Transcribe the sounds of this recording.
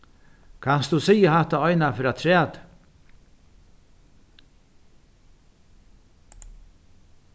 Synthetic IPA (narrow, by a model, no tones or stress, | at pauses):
kʰanst̪usijəɦaht̪aɔjnafɪɾat̪ʰɾæːt̪